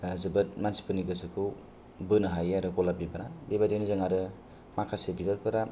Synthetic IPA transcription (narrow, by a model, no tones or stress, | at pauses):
zɯbɯt̚mansi̥pɯniɡɯsɯkʰɯw | bɯnɯɦajaɾɯkɔlabibanabebadenizaŋaɾɯ | makʰasebibapʰɯɾa